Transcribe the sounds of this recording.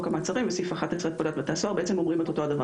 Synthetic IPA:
kamat͡saʁimvesifaχat̪at͡sʁet̪̚polat̪̚bet̪asoaʁbeet͡semo̞mʁimet̪o̞t̪oadava

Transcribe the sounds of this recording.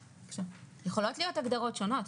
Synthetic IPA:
kʃavjeχo̞lo̞tlijotaɡd̪aʁo̞tʃo̞no̞t

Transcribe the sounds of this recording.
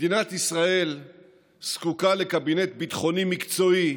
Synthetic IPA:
d̪inat̪isʁae̞l | skukale̞kabinet̪̚bit̪χo̞nimikt͡so̞i

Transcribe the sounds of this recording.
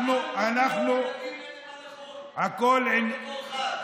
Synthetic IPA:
nuanaχnu | akolɪn

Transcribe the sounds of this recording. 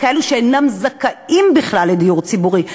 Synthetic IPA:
kae̞luʃeenamzakaimbiχlalːed̪ijuʁt͡sibuʁi

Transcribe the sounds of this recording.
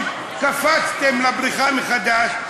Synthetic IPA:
safat͡st̪emlabɾiχanχad̪aʃ

